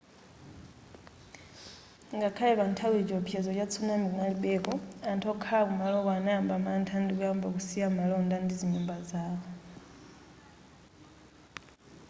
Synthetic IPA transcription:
ŋɡakʰalɛβantʰawɛd͡ʒɔpʰjɛzɔt͡ʃat͡sʰunaminaliɓɛkɔantʰɔkʰaakumalɔkanɛambamantʰandikuambakusiamalɔndandiziɲumbazaːβɔ

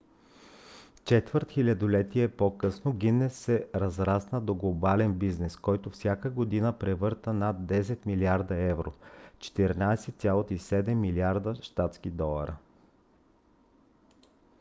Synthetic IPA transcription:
t͡ʃɛt̪vəɾt̪xilʲɐd̪olɛt̪iɛpokɤsnoɡʲinːɛsːɛɾɐzɾasnəd̪oɡlˠobalɛnbiznɛskɔjt̪ʊfsʲjakəɡod̪inəpɾɛvɤɾt̪ənad̪ːɛsɛt̪miliaɾd̪ɐɛvɾo̰t͡ʃɛ̥t̪iɾnajsɛt̪sʲjalˠot̪isɛd̪ɛmːiliaɾd̪əʃt̪at̪sk̟id̪ɔlˠɐ̰ɾə

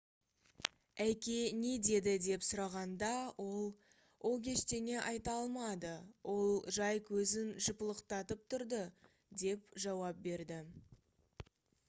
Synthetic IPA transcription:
æjkʲe̞ned̪e̞d̪ɪd̪e̞psʊɾɑʁɑnd̪ɑwʔo̞lˠ | wʔo̞kʲʰe̞ʃt̪e̞ne̞ʔɑjt̪ɑlˠmɑd̪əwʔo̞lˠʒɑjkʲʰɵzɪnʒəpəlˠəqt̪ɑt̪əp̚t̪ʰʊɾd̪ə | d̪e̞p̚ʒɑwɑp̚be̞ɾd̪ɪ

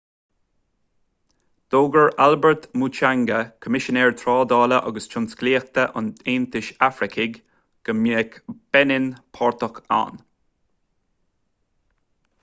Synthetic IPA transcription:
d̪̥oːɡəɹalbəɹt̪mut͡ʃaŋɡəkʰəmɪʃənɛːɹt̪ʰɹɑːd̪ɑːləʔɑɡəst͡ʃʰʊnskliːxt̪əʔʊ̰neːnt̪ɪʃafɾɪkʰɪɡ | ɡ̥əmiəkb̥ɛnɪnpʰɔɹt̪əxa̰n

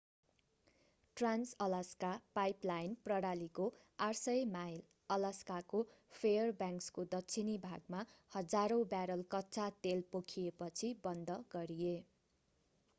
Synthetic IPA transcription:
ʈransʌlaskapajplajnprʌɽaliko | arsʌjmajl | ʌlʌskakopʰejʌrbjãŋkskod̪ʌtːt͡sʰinibʱaɡ̚mahʌd͡zaɾõbjaɾʌlkʌtːt͡sat̪elpokʰijepʌt͡sʰibʌnd̪ʌɡ̥ʌɾije

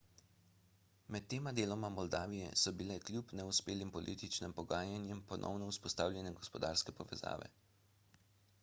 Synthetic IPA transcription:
mɛt̪ːeːmad̪eːlɔmamɔld̪aːʋijɛ̰sɔbilɛklʲjuːpnɛuspeːlimpɔlʔḭːt̪it͡ʃnimpɔɡaːjanjɛmpɔnʔɔ̰wnɔuspɔst̪aːwljɛnɛɡɔspɔd̪aːɾskɛpɔʋɛza̰ːʋɛ̰

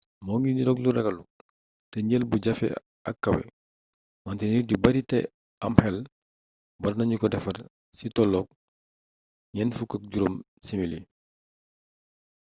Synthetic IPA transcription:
mɔŋiniɾɔkluɾɐɡɐlu | tɛɲəlbuɟɐfɛ̰ | ɐ̰kːɐwɛ̰ | mantɛnidubɐɾitɛ̰ | amhɛl | bɔɾnɐɲukɔdɛfɐr | sitɔlɔk̚ | ɲɛnfukɐk̚ɟuɾom | simili

